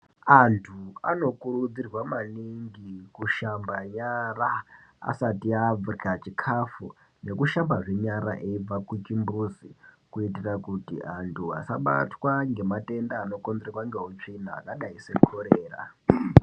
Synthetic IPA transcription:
antʰua̰no̞kuɾud͡zirwamaniŋɡikuʃambaɲaraa̰satiab͡vurikat͡ʃikʰafu | ne̞kuʃambaʐeɲaɾa̰ʔeib͡vakut͡ʃimbuzikuitirakutḭantʰua̰saɓa̰twaŋɡe̞mate̞ndaːno̞kond͡zrerwaŋɡe̞ɦot͡ʂinaa̰kaɗaisekʰoɾeːra̰

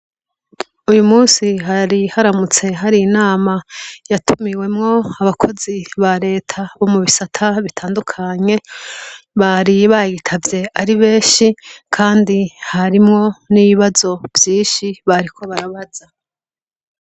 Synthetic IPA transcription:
ujumuːnsiɦaɾihaɾamut͡se̞ɦaɾiːnaːmajatʰumiwe̞mŋo̞aβakʰo̞ziβaɾe̞ːtʰaβo̞muβisatʰaβitʰaːndukʰaɲe̞ | βaɾiβajitʰavje̞aɾiβeːʃikʰaːndihaɾimŋo̞niβiβazo̞vjiːʃiβaɾikʰo̞βaɾaβaza

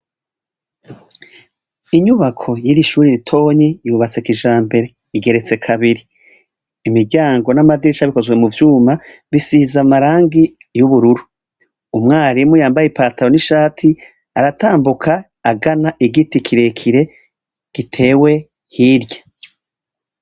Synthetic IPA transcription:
iɲuβakʰo̞jiɾiʃuːɾiɾitʰo̞ɲijuβat͡se̞kiʒaːmbe̞ɾe̞ | iɡe̞ɾe̞t͡se̞kʰaβiɾiː | mibɟaːŋɡo̞namadiɾiʃaβiko̞zɡwemuvjuːmaβisizamaɾaːŋɡijuβuɾuɾu | umŋaːɾimujaːmbajepaːtaɾo̞niʃaːtʰi | aɾatʰaːmbukʰaː | ɡanaʔiɡitikʰiɾe̞kʰiɾe̞ | ɡ̥itʰe̞ːwe̞ | hiɾjḁ

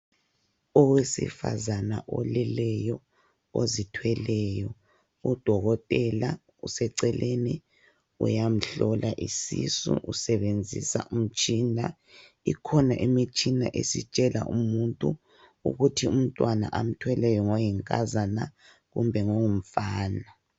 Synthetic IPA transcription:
ɔwesḭfa̰zanaʔɔ̰lɛlɛjɔ | ozitʰwɛlɛjɔ | ud̥ʱɔɣɔtʼɛla | usɛǀɛlʔeni | ṵjam̩ɬɔlʔaʔisisṵʔusɛβend͡zʱisa̰ʔum̩t͡ʃʼina | ikʰɔnaʔemit͡ʃʼina̰ʔḛsit͡ʃʼɛla̰ʔumuntʼu | ṵɣutʰium̩tʼwana̰ʔam̩tʰwɛlɛjɔŋɔjiŋkʼazana | ɣumbʱɛŋoŋum̩faːna

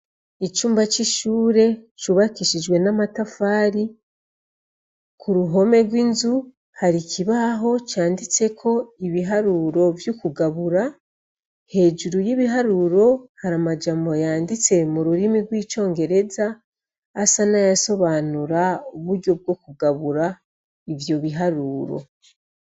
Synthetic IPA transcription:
it͡ʃuːmbat͡ʃiʃuːɾe̞t͡ʃuβakiʃid͡ʒɡwe̞namatafaːɾi | kʰuɾuɦo̞me̞ɾɡwiːnzu | haɾikiβaɦo̞t͡ʃaːndit͡se̞kʰo̞iβiɦaɾuɾo̞vjukuɡaβuɾa | he̞ːd͡ʒuɾujiβiɦaɾuɾo̞haɾamad͡ʒamo̞jaːndit͡se̞muɾuɾimiɡwiːt͡ʃo̞ːŋɡe̞ɾe̞zaː | sanajaso̞βanuɾauβuɾɟo̞b̚ɡo̞kuɡaβuɾa | ivjo̞βiɦaɾuːɾo̞̰

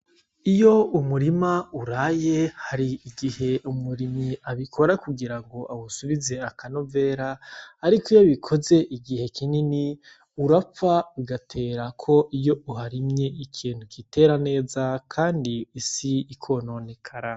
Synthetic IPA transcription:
ijo̞umuɾimauɾaje̞haɾiːɡihe̞ʔumuɾimiaβikʰo̞ɾakuɡiɾaŋɡo̞ʔaβusuβize̞akanove̞ːɾaːɾikojaβikʰo̞ze̞ʔiɡihe̞kʰinini | uɾafaβiɡatʰe̞ːɾakʰo̞ʔijo̞uɦaɾimɲe̞ikʰiːnhukite̞ɾane̞ːzakʰaːndiːsiːkʰo̞no̞ne̞kʰaɾa

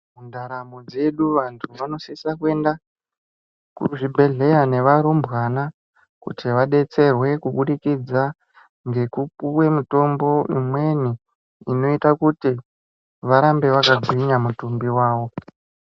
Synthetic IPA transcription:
mundaɾamod͡ze̞ɗuʋantʰuʋano̞sisakuwe̞nda | kuʐibʱe̞ɮe̞jane̞ʋaɾumbɣana | kṵtʰiʋaɗe̞t͡se̞rwe̞kuɓuɗikid͡za | ŋɡe̞kupuwe̞muto̞mbo̞imwe̞ni | ino̞itakuti | ʋaɾambe̞ʋakaɡʱwiɲamutumbiwaːʋo̞

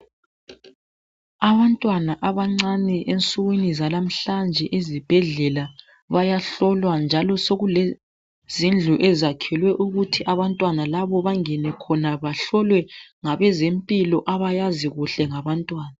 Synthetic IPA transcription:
aβantʼwanaʔaβaŋ͡ǀanɛʔent͡sʼuɣwinizalam̩ɬand͡ʒʱɛʔezib̥ʱɛɮɛla | βajaɬɔlwand͡ʒʱalɔsoɣulɛ | z̥ind͡ɮʱuʔɛzakʰɛlwɛʔuɣutʰiʔaβantʼwanalaβɔβaŋɛnɛkʰɔnaβaɬɔlwɛŋaβɛzempʼilɔʔaβajaziɣuɬɛŋaβantʼwaːna

